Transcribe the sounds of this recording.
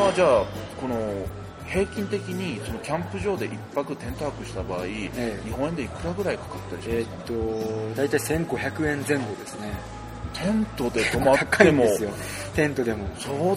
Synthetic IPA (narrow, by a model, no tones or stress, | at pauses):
d͡ʑaːko̞no̞ | he̞ːkʲĩnt̪e̞kʲiɲ̟iso̞no̞kʲãmpɯ̟ʑo̞ːd̪e̞ʔipːakɯ̟t̪ẽ̞nt̪ohakɯ̟ɕi̥t̪abaːiɲiɦõ̞ɰ̃ẽnd̪e̞ikɯ̟ɾaɡɯ̟ɾaikḁkḁt̪ːeɾɯ̟t̪ːod̪ait̪aisẽ̞ŋɡo̞çʲjakɯ̟ẽ̞nd͡zẽ̞ŋɡo̞d̪e̞sɨne | t̪ʰẽ̞nt̪o̞d̪e̞t̪omakaemosɨjo | t̪ẽ̞nt̪o̞d̪e̞mosoː